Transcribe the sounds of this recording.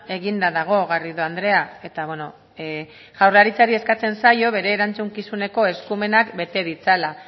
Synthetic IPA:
e̞ɣind̪aðaɣ̞o̞ɣariðoand̪ɾe̞ae̞t̪aβweno̞ | ʝawrlaɾit͡saɾie̞skat͡se̞nsajo̞β̞e̞ɾe̞ːɾant͡suŋkisune̞ko̞e̞skume̞nakbe̞t̪e̞ð̞it͡sala

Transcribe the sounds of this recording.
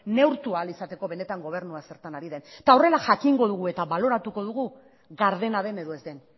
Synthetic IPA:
ne̞wɾt̪ualisat̪e̞ko̞βe̞ne̞t̪aŋɡo̞β̞e̞ɾnuase̞ɾt̪anaɾiðe̞nt̪ao̞re̞laʝakiŋɡo̞ðuɣ̞ue̞t̪aβalo̞ɾat̪uko̞ð̞uɣ̞u | ɣaɾðe̞naðe̞ne̞ðoe̞zd̪e̞n

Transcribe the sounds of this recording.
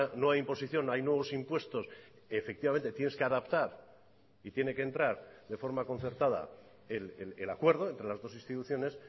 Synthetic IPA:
no̞ajimpo̞siθjo̞najnwe̞β̞o̞simpwe̞st̪o̞s | efe̞k̚t̪iβame̞nt̪e̞t̪je̞ne̞ske̞aðapt̪aɾ | it̪je̞ne̞kent̪ɾaɾðe̞fo̞ɾmako̞n̟θe̞ɾt̪að̞a̰ | ellelakwe̞ɾðo̞e̞nt̪ɾe̞lazðo̞sinst̪it̪uθjo̞ne̞s

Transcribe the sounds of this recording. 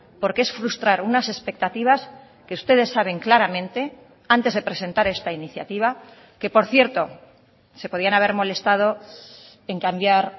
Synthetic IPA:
po̞ɾkee̞sfɾust̪ɾaɾunase̞spe̞k̚t̪at̪iβ̞as | ke̞ust̪e̞ð̞e̞sːaβ̞e̞ŋklaɾamẽ̞nt̪e̞ | ant̪e̞zðe̞pɾe̞se̞nt̪aɾe̞st̪ainiθjat̪iβ̞a | ke̞po̞ɾθje̞ɾt̪o̞ | se̞po̞ðianaβe̞ɾmo̞le̞st̪að̞o̞ | e̞ŋkambjaɾ

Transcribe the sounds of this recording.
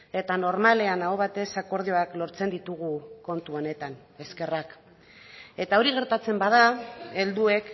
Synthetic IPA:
e̞t̪ano̞ɾmale̞anaoβat̪e̞sako̞ɾð̞io̞aklo̞ɾt͡se̞nd̪it̪uɣuko̞nt̪uo̞ne̞t̪an | e̞ske̞rak | e̞t̪ao̞ɾiɣ̞e̞ɾt̪at͡se̞mbaðae̞ld̪ue̞k

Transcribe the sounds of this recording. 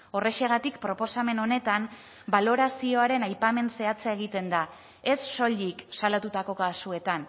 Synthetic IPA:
o̞re̞ʃe̞ɣ̞at̪ikpɾo̞po̞same̞no̞ne̞t̪am | balo̞ɾasio̞aɾe̞najpame̞nse̞at͡seae̞ɣ̞it̪e̞nd̪a | e̞sːo̞ʎiksalat̪ut̪ako̞kasue̞t̪an

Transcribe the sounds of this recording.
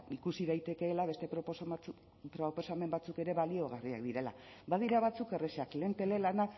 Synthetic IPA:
ikusið̞ajt̪e̞ke̞ːlaβ̞e̞st̪e̞ɾ | pɾopo̞same̞mbat͡suke̞ɾe̞βalioɣ̞ariakd̪iɾe̞la̰ | baðiɾaβat͡suke̞re̞seakleːnt̪e̞le̞lanak

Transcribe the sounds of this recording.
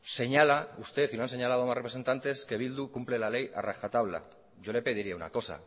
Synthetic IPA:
se̞ɲalaust̪e̞θinoanse̞ɲalað̞omarepɾese̞nt̪ant̪e̞ske̞β̞ild̪ukumple̞lale̞ja̰raxat̪aβla̰ | ʝo̞lepeð̞iɾiauna̰ko̞sa̰

